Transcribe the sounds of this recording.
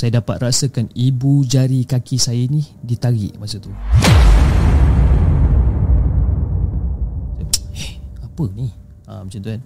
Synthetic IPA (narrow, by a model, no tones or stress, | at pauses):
sajadapa̰t̪̚rasakanibud͡ʒaɾikakisajainidit̪aɡɪ̰ʔmasat̪u | sajɛhapəni | ə̰mət͡ʃant̪uan